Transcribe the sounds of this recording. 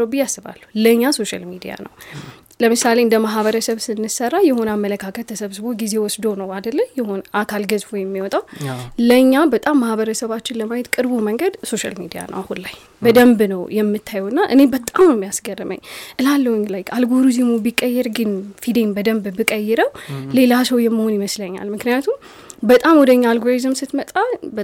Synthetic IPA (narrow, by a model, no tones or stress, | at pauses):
obɨjasːɨβa̰lːuləɲːaso̞ʃa̰lmid̪ḭja̰nə̰w | ləmɨsaleɨnd̪əmaɦβəɾəsəβsɨnːɨsərːajɛho̞namːələkʰakʰət̪ʰːəsəβsɨβo̞ɡize̞wɔsd̪o̞nəwad̪əlːəjɛhonʔakʰalɡəzfojɛmːiwɔt̪ʼawləɲːabət̪ʼamːahβəɾəsəβat͡ʃːɪnləmajɛt̪kʼɨɾbuməŋɡəd̪so̞ʃa̰lmid̪ija̰nʔə̰wahunlaj | bəd̪əmbnəwjɛmːɨt̪ʰːajɛwɨnːaʔɨne̞bət̪ʼammːijasɡərːɨmə̰ɲːʔɨlalːəwɲlajkalɡoɾizimubikʼːəjːɛɾɡɨnfid̪embəd̪əmbbɨkʼəjːɛɾəwle̞lasəwjɛmːiho̞njiməsləɲːa̰lmɨknɨjat̪ʰum | bət̪ʼamwɔd̪əɨɲːaːlɡoɾizɨmsɨt̪mət̪ʼːabə